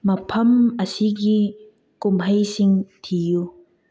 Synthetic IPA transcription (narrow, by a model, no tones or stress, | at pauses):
mɐpʰɐmɐsiɡi | kumɦɐjsiŋt̪ʰiju